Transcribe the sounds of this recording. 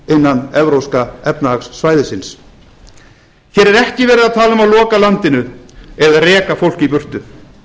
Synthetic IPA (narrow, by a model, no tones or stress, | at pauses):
ɪnːanːɛvɾowskaɛpnaaksːvaːjðɪsɪns | çjɛːɾɛɾɛhcɪvɛːɾɪðaðt̪ʰaːlamaðlɔːkalant̪ɪnʏɛðaðrɛːkafowl̥cipʏr̥t̪ʏ